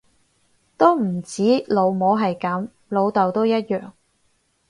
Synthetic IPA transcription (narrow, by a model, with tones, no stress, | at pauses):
t̪o˥wm̩˨˩t͡siː˨˥lo˨˧wmoː˨˥ɦɐ˨jkɐ˨˥m | lo˨˧wt̪ɐ˨wt̪o˥wjɐ˥t̚jœː˨ŋ